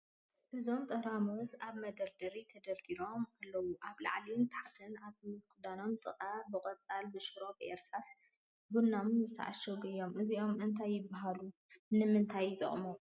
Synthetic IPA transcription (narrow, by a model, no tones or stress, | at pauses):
ʔɨzo̞mt̪ʼɐɾamozaβmɐd̪ɐɾd̪ɐɾit̪ʰɐd̪ɐlt̪ʰilo̞malːɐwuʔaβla̰ʕlint̪ʰḁħat̪ʰɨnaβkʰɨd̪ano̞mt̪ʼɨqʼabɨkʼɐt͡sʼalbɨʃɨɾo̞bʔḛɾsas | bunːamzɨt̪ʰɐ̰ʕa̰ʃɐwɡɐɪjo̞mʔɨziʔo̞mɨnt̪ʰajːɪbːaɦalu | nɨmɨnt̪ʰajːɪt̪ʼɨ̰χʼmo